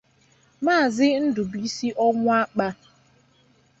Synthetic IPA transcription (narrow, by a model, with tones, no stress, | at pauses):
maː˦˨zɪ˦n̩˦dʊ˨bi˦si˦ʔɔ˦ŋʷʊ˦a˦k͡pa˦